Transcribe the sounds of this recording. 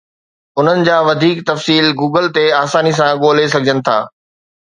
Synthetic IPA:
ʊn̤ənɪ̆d͡ʑaːʋɐd̪ʱiːkt̪ɐfsiːlɡuːɡəlt̪eaːsaːnis̬ãɠoːlesɐɡʱɪd͡ʑənɪ̆t̪ʰa̰ː

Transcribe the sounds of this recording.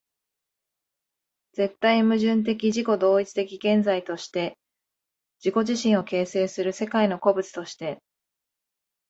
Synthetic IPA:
d͡ze̞t̪ːaimɯ̟ʑɨ̃nt̪̬e̞k̬ʲiʑiko̞d̪o̞ːit͡sɨ̥t̪e̞kʲiɡẽ̞nd͡zait̪o̞ɕi̥t̪e̞ | d͡ʑiko̞ʑiɕĩɰ̃o̞ke̞ːse̞ːsɨɾɯ̟se̞kaino̞ko̞bɯ̟t͡sɨ̥t̪o̞ɕi̥t̪e̞

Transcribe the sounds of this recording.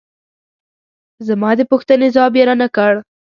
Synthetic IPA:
zamɑd̪əpuxt̪ənezwɑbjeɾanakəɽ

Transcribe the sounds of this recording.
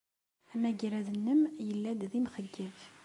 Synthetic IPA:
æmæɡiɾæðənːəmjəlːæd̪ðimχəɡːiv

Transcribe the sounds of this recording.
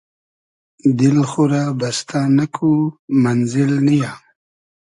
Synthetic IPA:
d̪ɪlxuɾabast̪ʰanakʰumanzɪlnija

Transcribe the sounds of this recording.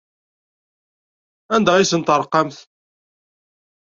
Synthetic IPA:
ænd̪æʁisənt̪əɾˤqːɑmθ

